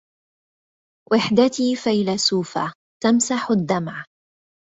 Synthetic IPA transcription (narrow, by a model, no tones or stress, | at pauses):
wʔɪħd̪at̪iːfajlasuːfa̰ | t̪amsaħʊd̪ːamʕ